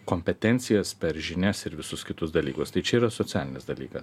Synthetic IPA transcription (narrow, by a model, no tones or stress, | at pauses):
koːmʲpʲɛt̪ʲɛnʲt̪sʲɪjɛspʲɛɾʒʲɪnʲɛsɪɾʋʲɪsʊskʲɪt̪ʊsd̪ɐlʲiːkʊst̪ɐɪt͡ʃʲɛiːɾɐsot̪ʲæːlʲɪnʲɪsd̪ɐlʲiːkɐs